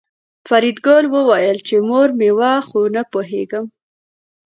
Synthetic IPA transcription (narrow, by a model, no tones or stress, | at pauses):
faɾid̪ɡolwəwɑjəlt͡ʃemoɾmewɑxonapoɦḛɡəm